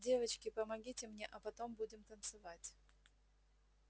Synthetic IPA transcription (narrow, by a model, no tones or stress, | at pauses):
dʲe̞vət͡ɕkʲɪpəmɐɡʲitʲɪmnʲeʔɐpɐt̪o̞mbudʲɪmt̪ənt̪sɨvatʲ